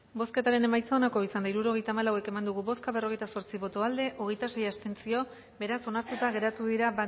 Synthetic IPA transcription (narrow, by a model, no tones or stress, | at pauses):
bo̞ske̞t̪aɾe̞ne̞majt͡saonako̞isand̪aiɾuɾo̞ɣ̞e̞jt̪aːmalawe̞ke̞mand̪uɣ̞uβo̞skaβ̞e̞ro̞ɣ̞e̞jt̪aso̞ɾt͡siβo̞t̪o̞ald̪e̞ʔo̞ɣe̞jt̪ase̞jast̪e̞nt͡sio̞ | be̞ɾaso̞naɾt̪ut̪aɣe̞ɾat̪uðiɾaβa